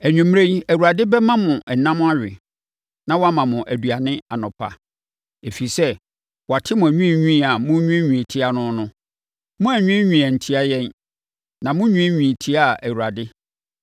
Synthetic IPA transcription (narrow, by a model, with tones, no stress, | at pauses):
æ˨ɲᶣũ˨m˦ɾe˦n˦æ˨wu˨ɾa˨dɪ˦bɛ˦mã˦mʊ̃˨ʔɛ˨nã˦m̃˦a˦ɥᶣɪ̰˨ | nã˦wɔ˦a˦mã˨mʊ̃˨ʔæ˨du˨a˨nɪ̃˦a˨nʊ̃˨pʰa̰˨ | e˨fi˨sɛ˦ | wɔ˨a˨tʰɪ˦mʊ̃˨æ˨ɲũ˦˨ɲᶣũ˦˨a˨mʊ̃˦ɲᶣũ˦ɲᶣũ˨e˨tʰi˦a˨nʊ̃˦nʊ̃˦ | mʊ̃˦æ˨ɲᶣũ˦ɛ˦ɲᶣũ˨a˨n̩˨tʰi˦a˦jɛ̃˦n | nã˨mʊ̃˦ɲᶣũ˦ɛ˦ɲᶣũ˨e˨tʰi˦a˦˨ʔæ˨wu˨ɾa˨dɪ˦